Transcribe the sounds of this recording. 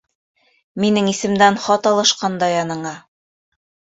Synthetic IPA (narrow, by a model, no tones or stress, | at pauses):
minɘŋisɘ̆md̪ænχɑt̪ɑlˠɤ̆ʃqɑnd̪ɑjɑnɤ̆ɴɑ